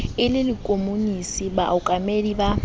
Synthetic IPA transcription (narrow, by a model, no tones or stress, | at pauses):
ɪlɪlikʼomunisibaʊkʼamediba